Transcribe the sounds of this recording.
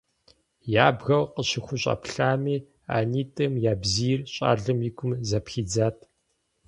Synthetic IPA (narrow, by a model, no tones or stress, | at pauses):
jaːbɣɐwqəɕɪxʷʊɕʼɐ̰pʰɬaːmiː | a̰ːniːtʼɨmjaːbziːrɕʼa̰ːɮɨmjɪkʷʊmzɐpxiːd͡zaːtʰʼ